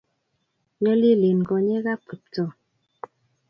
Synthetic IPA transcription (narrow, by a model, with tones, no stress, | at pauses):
ɲə˦li˦li˨n˨ɡɔ˨ɲɛ˦ɣa˦pi˨p̚tɔ˦˨